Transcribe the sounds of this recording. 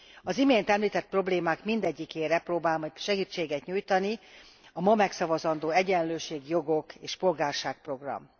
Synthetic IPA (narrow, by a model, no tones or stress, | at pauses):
ɒzimeːnt̪ɛmliːt̪ɛt̪̚pro̞bleːmaːkmind̪ɛɟːikeːɾɛproːbaːlmɒɟʃɛɡiːt͡ʃːeːɡɛt̪ɲuːjt̪ɒni | ɒmɒmɛksɒvɒzɒnd̪oːɛɟɛnløːʃeːɡjo̞ɡo̞keːʃpo̞lɡaːrʃaːk̚pro̞ɡrɒ̰m